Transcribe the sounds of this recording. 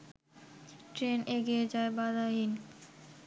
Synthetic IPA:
ʈɾenʔeɡied͡ʑaebad̪aɦin

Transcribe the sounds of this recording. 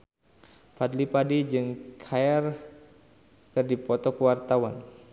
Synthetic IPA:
padlipadid͡ʒɨŋkʰajar | kɨrdipɔt̪ɔkəwart̪awan

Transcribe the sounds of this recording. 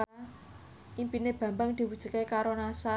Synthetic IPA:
ʔimpineb̥ä̤mbaŋd̪̥i̤wud̥ʒ̥ṳkekaɾonasa

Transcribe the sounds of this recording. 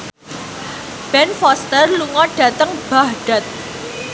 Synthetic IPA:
b̥ɛnfɔst̪ərluŋɔɖ̥ä̤t̪əŋb̥ahɖ̥a̤t̪̚

